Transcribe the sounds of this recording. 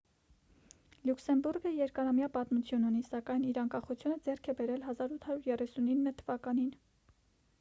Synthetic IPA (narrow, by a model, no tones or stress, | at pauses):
luksɛmbuɾɡəjɛɾkɑɾɑmjɑpɑt̪mut͡sʰjununisɑkɑjniɾɑŋkɑχut͡sʰjunəd͡zɛrkʰɛbɛɾɛlɦɑzɑɾut̪ʰhɑɾjuɾjɛrɛsuninːət̪ʰəvɑkɑnin